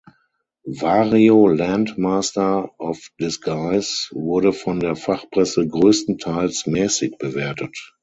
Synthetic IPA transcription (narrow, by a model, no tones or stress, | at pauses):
vaːʁiolantmaːstɐʔɔfd̥ɪsɡ̥aɪsvʊɐɾəfɔndeːɐfaχpʁ̥ɛsəɡʁøːstn̩tʰaɪlsmɛːsɪçb̥əveːɐtət